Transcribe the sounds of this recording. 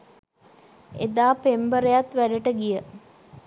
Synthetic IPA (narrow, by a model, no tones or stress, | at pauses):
ḛd̪aːpembəɾejat̪ʋæɖəʈəɡijə